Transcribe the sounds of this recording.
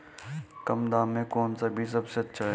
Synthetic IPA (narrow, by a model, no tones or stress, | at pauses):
kɐmd̪aːmẽkoːnsabʱis̬ɐbseɐtːʃʰaɦɛ